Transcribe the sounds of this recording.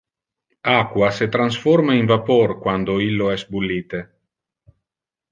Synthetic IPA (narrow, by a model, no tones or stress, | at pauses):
akwaset̪ɾansformaiɱvaporkwand̪oilːoɛsbulːiːt̪e